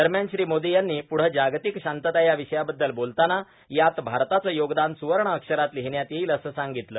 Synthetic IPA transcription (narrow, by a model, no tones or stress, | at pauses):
d̪əɾmjanɕɾiːmod̪ijanːiːpuɽ̤əd͡ʑaɡt̪ikɕant̪ət̪ajaʋiɕəjabəd̪ːəlbolt̪ana | jat̪bʱaɾt̪at͡səːjoɡd̪ansuʋəɾɳəəkʂəɾat̪liɦɳjat̪jeiləsəːsaŋɡit̪ləː